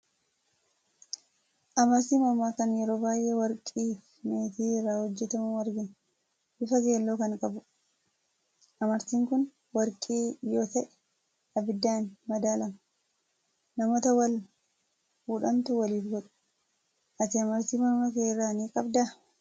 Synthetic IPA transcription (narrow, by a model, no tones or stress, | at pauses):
ʔɐmɐɾt̪iːmɐmːaːkɐnjɛɾo̞ːbaːjʔewɐɾkʼiːf | meːt̪iːrːaːhɔd͡ʒːɛt̪ɐmɐwɐɾɡɪn | ʔɪfɐɡe̞ːlːoːkɐŋkʼɐbʊ | ʔɐmɐɾt̪iːŋkʊn | wɐɾkʼiːjo̞ːt̪ɐʔɛ̥ | ɐbɪd̪ːaːnmɐd̪aːlɐmɐ | nɐmoːt̪ɐwɐl | buːᶑɐnt̪ʊwɐliːfɡɔᶑʊ̥ | ʔɐt̪ɪɐmɐɾt̪iːmɐɾmɐkeːrːaːniːkʼɐbd̪aː